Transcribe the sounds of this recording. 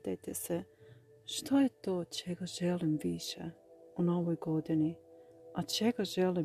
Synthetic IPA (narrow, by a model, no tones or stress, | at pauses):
t̪ajt̪ese | ʃt̪ʰojet̪oːt͡ʃeɡaʒɛlimʋiʃɛ̰unoʋojɡod̪iniat͡ʃeɡaʒɛli